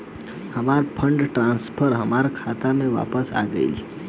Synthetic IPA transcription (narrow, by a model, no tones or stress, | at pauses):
həmaɾpʰəɳɖʈɾãnspʰəɾɦəmaɾkʰat̪amẽʋa̰pəsa̰ɡəḭl